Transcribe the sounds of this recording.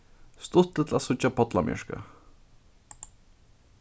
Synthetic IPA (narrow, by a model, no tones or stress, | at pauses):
st̪ʊt̪ːət̪lasʊt͡ɕːapʰɔt̪lamjɪ̰ʂka̰